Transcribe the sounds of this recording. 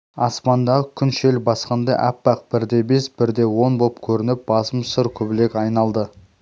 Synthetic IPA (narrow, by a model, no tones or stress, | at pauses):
ɑspɑnd̪ɑʁəkʲʰʏnʃe̞lɪbɑsqɑnd̪ɑʔæ̰pːɑq̚b̥ɪɾd̪e̞be̞sbɪɾd̪e̞wo̞nboəpkʲʰɵɾɪnɪp̚bɑsəmsəɾkʲʰɵbɪle̞kɑjnɑlˠd̪ə